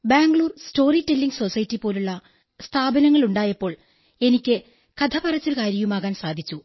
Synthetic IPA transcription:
baːŋɡɭuːrsto̞ːritelːiŋɡso̞sɐjtːipo̞ːluɭːɐ | st̪ʰaːbɐnɐŋːɐɭuɳɖaːjɐpːo̞ːɭ | e̞nikʲːɨ | kɐd̪ʰɐpɐrɐt͡ɕːilkaːɾjɐjumaːɣaːnsaːd̪ʱit͡ɕːu

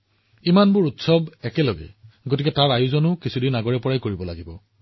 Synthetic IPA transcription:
imanbʊɹutsɔbɛkɛlɔɡɛ̰ɡotikɛtaɹajuzɔnʊkisʰudinaɡɔɹɛpɔɹajkoɹibɔlaɡibɔ

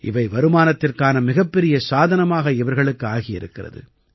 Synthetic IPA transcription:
ʔɪ̰ʋɐɪʋɐɾɯmaːnɐt̪ːɪrkaːnɐmɪɣɐpːɛɾɪjɐsaːðɐnɐmaːɣɐɪʋɐɾɣɐɭɯkːɯaːɣɪjɪ̰ɾɯkːɪrɐ̰ðɯ̰

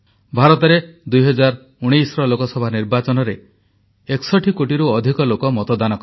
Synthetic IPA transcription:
bʱaɾɔt̪ɔɾed̪ujɦɔd͡ʒaɾ | uɽ̃ijsɾɔlokɔsɔbʱaniɾbat͡ʃɔnɔɾe | eksɔʈʰikoʈiɾuɔd̪ʱikɔlokɔmɔt̪ɔd̪anɔkɔɾ

